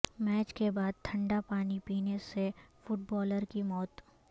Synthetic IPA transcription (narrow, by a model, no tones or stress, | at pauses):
mɛːt͡ʃkebaːd̪̚t̪ʰɐ̃ɳɖapaːnipiːnesefʊʈ̚bɔːləɾkimɔːt̪